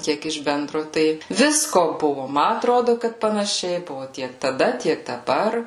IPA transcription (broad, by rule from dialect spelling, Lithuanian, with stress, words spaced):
ˈkʲiɛk ɪʃ ˈbʲɛndroː ˈtɐɪ ˈʋʲɪskoː ˈbʊʋʊ ˈmɐ ɐtˈroːdʊ kɐt pɐnɐˈʃʲɛɪ ˈbʊʋʊ ˈtʲiɛk tɐˈdɐ ˈtʲiɛk dɐˈbɐr